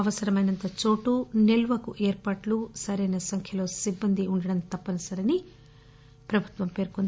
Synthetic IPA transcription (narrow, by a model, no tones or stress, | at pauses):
ɐʋɐsɐɾɐmɐjnɐnt̪ɐt͡ʃo̞ːʈuneluʋɐkuʔeːɾpaːʈlusɐɾɐjnɐsɐŋkʰjɐlo̞ːsibːɐnd̪ʱiuɳɖɐɽɐnt̪ɐpːɐnɐsɐɾeni | pɾɐbʱut̪ʋɐmpe̞ːɾkond̪